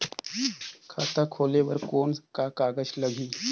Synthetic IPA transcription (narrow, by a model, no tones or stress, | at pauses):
kʰat̪akʰoleʋəɾkoːɳkakaɡəɕləɡʱiː